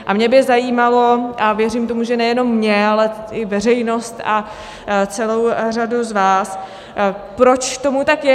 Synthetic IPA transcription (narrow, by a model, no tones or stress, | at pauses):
ʔamɲɛbɪzajiːmalo̞ʔavjɛriːmt̪o̞muʒɛnɛjɛno̞mːɲɛalɛʔɪvɛr̝ɛjno̞st̪a | t͡sɛlo̞wraduzvaːs | pɾo̞t͡ʃt̪o̞mut̪akjɛ